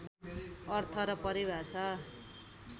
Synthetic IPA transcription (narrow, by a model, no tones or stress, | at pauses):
ʌrt̪ʰʌɾʌpʌɾibʱat͡sʰʌ